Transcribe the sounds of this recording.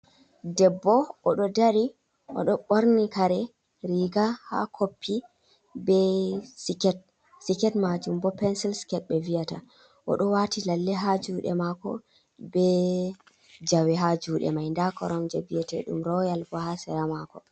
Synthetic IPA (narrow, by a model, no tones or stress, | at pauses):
dɛbːɔɔɗɔdaɾi | ʔɔ̰ɗɔɓoɾnikaɾɛ | ɾiɡaha̰kʰopʰːi | bɛsikɛt̚ | sikɛtmad͡ʒumbɔpɛnsilsi̥kɛt̚ɓɛvijata̰ | ʔɔ̰ɗɔwatilalːɛɦad͡ʒuɗɛ̰makɔ̰ | bɛ | d͡ʒawɛɦad͡ʒuːɗɛ̰majndakɔɾɔmd͡ʒabijɛtɛ̰ɗṵmɾɔjalbɔhasɛɾamakɔ